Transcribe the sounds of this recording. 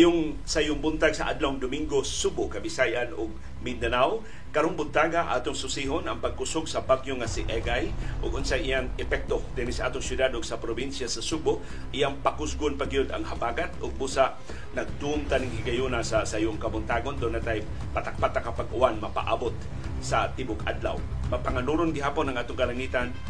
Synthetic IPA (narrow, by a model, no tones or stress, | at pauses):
jʊŋ | sajʊŋbʊnt̪aɡsɐʔa̰d̪lawŋd̪ʊmiŋɡossubʊkɐbɪsajʔanʔʊɡ̚ | mɪd̪anaw | kɐɾoŋbʊnt̪aːɡaʔa̰ːt̪ʊŋsʊsiːɦonɐŋpaɡ̚kʊsʊɡsɐbaɡjoŋasɪʔɛɡajʔʊɡʊnsajʔijaŋɛpɛk̚t̪od̪ɛnɪsaʔaːt̪oŋsjʊd̪ad̪ʊɡsɐpɾobinsjasɐsubʊ | ʔijaŋpakʊsɡʊnpaɡɪjod̪ɐ̰ŋhabaːɡat̪ʊɡ̚busaʔ | nɐɡ̚d̪umt̪anɪŋhɪɡajunasɐsajoŋkɐbʊnt̪aːɡond̪ʊnːat̪aj | pɐt̪ak̚pat̪ːakapaɡʊ̰ʔanmɐpa̰ʔa̰ːbot̪̚ | sɐt̪ibʊɡa̰d̪la̰wmɐpaŋanuːɾonɡɪɦaːponɐŋʔaːt̪oŋkɐlaŋiːt̪an